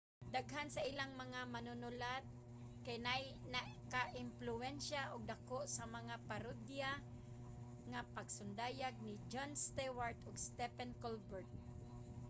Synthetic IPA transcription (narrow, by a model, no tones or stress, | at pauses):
d̪aɡɦansaʔilaŋmaŋamanʊnʊlat̪̚ | kajnajnakaʔɪmplʊɛnʃaʔʊɡ̚d̪akoʔsamaŋapaɾod̪ja | ŋapaɡsʊnd̪ajaɡ̚nid͡ʒonst̪ɛwaɹt̪ʊɡst̪ɛpɛnkolbɛɹt̪̚